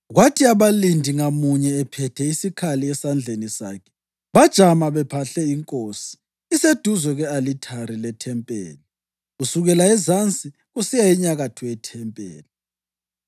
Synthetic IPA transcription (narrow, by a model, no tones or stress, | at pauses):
ɣwatʰiaβalindʱiŋamuɲɛːpʰɛtʰɛisikʰaliɛsand͡ɮʱenisa̰kʰɛ̥ | βad̥ʒ̥ʱamaβɛpʰaɬɛiŋkʼosi̥ | ised̥ʱuzwɛɣɛalitʰaɾilɛtʰɛmpʼḛːli | ɣusuɣɛlaɛzant͡sʼi | ɣusijaiɲaɣatʰuɛtʰɛmpʼḛːli